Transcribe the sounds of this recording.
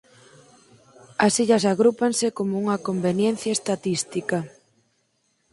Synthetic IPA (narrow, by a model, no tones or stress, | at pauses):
ɐsiʎɐsaɣɾupansɪkomouŋɐkombenjen̟θjaest̪at̪ist̪ika